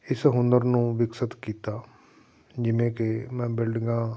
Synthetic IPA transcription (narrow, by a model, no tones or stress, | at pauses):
ɪsɦʊnd̪əɾnũːʋɪksət̪kiːt̪aː | d͡ʒɪʋẽːkemɛ̃ːbɪlɖɡãː